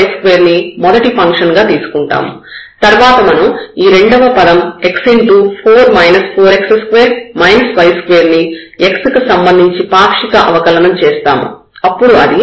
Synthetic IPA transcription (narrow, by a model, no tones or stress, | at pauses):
jskʋeːɾnimɔd̪ɐʈipʰɐŋkʂɐnɡaːt̪iːsu̥kuɳʈa̰ːmṵ | t̪ɐɾʋaːt̪ɐmɐnuiːɾe̞ɳɖɐʋɐpɐlɐme̞ksiɳʈupʰoːɾmɐjnɐspʰoːɾekseskʋeːɾmɐjnɐsʋɐjskʋeːɾniekskusɐmbɐnd̪ʱiɲt͡ʃipaːpʂikɐʔɐ̰ʋɐkɐlɐnɐmt͡ʃeːst̪a̰ːmṵ | ɐpːuɽuɐd̪i